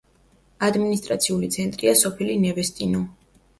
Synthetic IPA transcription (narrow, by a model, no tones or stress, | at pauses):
ad̪minis̬t̪ʼɾat̪sʰiulit̪sʰɛnt̪ʼɾiasɔpʰilinɛvɛst̪ʼinɔ